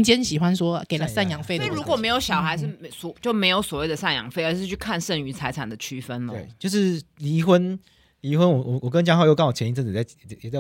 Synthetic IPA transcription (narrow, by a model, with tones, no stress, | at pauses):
ŋt͡ɕjɛ˥nɕi˨˩xwa˦nswɔ˥ke˨˩ɪlə˦sa˥˩njɑ˨˩ŋfe˥˩ɪ˥˨ɻu˧˦˥kwɔ˨˩me˧˥ɪjo˧˥ʊɕjɑ˨˩ʊxa˧ɪʂ̬ɻ̩˥˩sɔ˨˩t͡ɕjo˥˩ʊme˧˥ɪjo˨˧˥ʊswɔ˨˩we˥˩ɪd̪ə˩sa˥˩njɑ̰˨˩˦ŋfe˥˩ɪə˞˧˥ʂ̬ɻ̩˥˧t͡ɕʰy˥˧˩kʰa˥˧nʂə˥˩ŋy˧˥t͡sʰa˧˥ɪt͡sʰa˨˩nd̪ə˦t͡ɕʰy˥fə˦nləe˦˥˩t͡ɕjo˥˧ʊʂɻ̩˥˩li˧˥xwə˦˥n | li˧˥xwə˦nwɔ˨˩wɔ˨˩wɔ˨˩kə˦nt͡ɕja˥ŋxɑ˥˧jkə˥˦nwɔ˨˩t͡ɕʰɛ˧˥ni˥t͡sə˥˧˩a˥˨jɛ˨˩a˥˧